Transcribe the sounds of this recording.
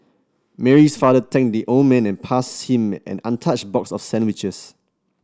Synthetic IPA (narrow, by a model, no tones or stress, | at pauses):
mɛɹisfadətʰɛ̃ŋk̚diʔõnmɛ̃nɛ̃npʰashĩmʔɛ̰̃nã̰ntʰat͡ʃbɔksɔfsɛ̃nwit͡ʃəs